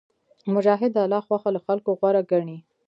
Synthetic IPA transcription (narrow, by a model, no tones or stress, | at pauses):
mʊʒɑɦɪd̪alɑxwaxalaxalkoɣwaɾaɡaɳi